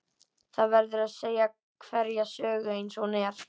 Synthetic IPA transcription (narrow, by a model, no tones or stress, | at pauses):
θaðvɛɾðʏɾaðseːja | kʰvɛɾjasœːɣʏejnsɔnɛɾ̥